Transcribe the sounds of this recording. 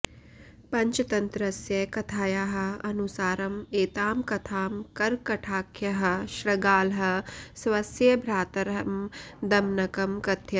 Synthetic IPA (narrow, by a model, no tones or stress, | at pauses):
pɐɲt͡ʃɐt̪ɐnt̪ɾɐsjɐkɐt̪ʰaːjaːɦɐ̆ɐnusaːɾɐmeːt̪aːmkɐt̪ʰaːmkɐɾkɐʈʰaːkʰjɐɦɐ̆ʃɾɐɡaːlɦɐ̆sʋɐsjɐbʱɾaːt̪ɐɾɐmd̪ɐmnɐkɐmkɐt̪ʰjɐ